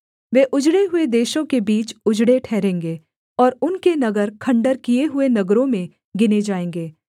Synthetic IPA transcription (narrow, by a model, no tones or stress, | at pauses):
ʋeʔʊd͡ʒɽeɦʊed̪eːʃõkebiːt͡ʃʊd͡ʒɽeʈʰɛːɾẽːŋɡeː | ɔːɾʊnkenɐɡəɾkʰɐ̃ɳɖəɾkijeɦʊenɐɡɾõmẽ | ɡɪned͡ʒaːẽːŋɡeː